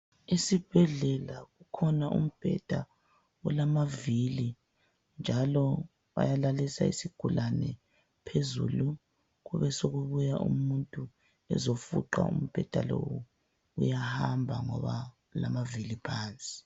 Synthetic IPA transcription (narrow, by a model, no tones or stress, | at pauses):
isib̥ʱɛɮɛlaɣukʰɔnaʔum̩b̥ʱɛ̰d̥ʱa | ulamavili | nd͡ʒʱalɔ | βa̰jalalisa̰ḭsiɡ̥ʱulanɛ | pʰezṵlu | ɣuβɛsoɣuβujaʔṵmuntʼu | ɛ̰zofṵǃa̰ṵm̩b̥ʱɛd̥ʱalowu | ṵjahambʱaŋɔβa | lamavilipʰaːnt͡sʼi̥